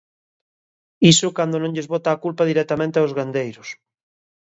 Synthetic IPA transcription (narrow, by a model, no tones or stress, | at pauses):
isʊkand̪onõŋʎezβɔt̪aːkulpaðiɾɛk̚t̪amẽnt̪eaozɣand̪ejɾʊs